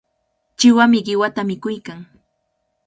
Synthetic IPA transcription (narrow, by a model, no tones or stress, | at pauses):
t͡ʃɪwamɪɢɪwat̪amɪkʊjkaŋ